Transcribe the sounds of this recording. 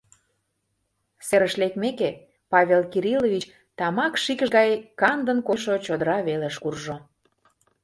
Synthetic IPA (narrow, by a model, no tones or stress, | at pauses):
seɾəʃlekmeke | pɑβʲelkiɾilovʲit͡ɕ | t̪ɑmɑkʃikəʃɣɑjkɑnd̪ənkoʃot͡ɕod̪əɾɑβeleʃkurʒo